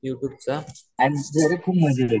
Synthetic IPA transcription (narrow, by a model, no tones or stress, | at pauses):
juʈjuːb̚t͡saanid͡zʱəɾekʰuːpm̤əd͡ʑelə